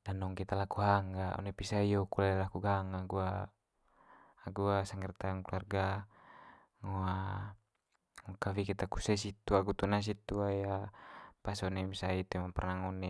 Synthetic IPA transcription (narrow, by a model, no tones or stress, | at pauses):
danɔŋkit̪alakuɦaŋɡaɔ̰nɛpisaijɔkulaɛlakuɡaŋaɡua | ɡuasaŋɡɛrt̪aŋkluarɡa | ŋɔa | ŋɔkawikɛt̪aku̥sɛs̬it̪ːuaɡut̪unas̬it̪ːuajapasɔnɛmisait̪uɛmaŋpɛrnaŋɔnɛ